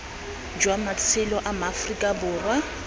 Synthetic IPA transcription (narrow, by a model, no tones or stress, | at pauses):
d͡ʒwamat͡sʰɪlɔʔamafrikʼabʊːrwa